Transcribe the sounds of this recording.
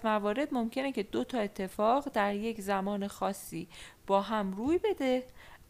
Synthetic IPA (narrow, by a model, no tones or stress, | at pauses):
mævɒːɾe̞d̪mo̞mcʰe̞necʰe̞d̪o̞t̪ʰɒːe̞t̪ʰːe̞fɒːɣd̪æɾje̞czæmɒːnexɒːsːiːb̥ɒːɦæmɾuːjbe̞d̪e̞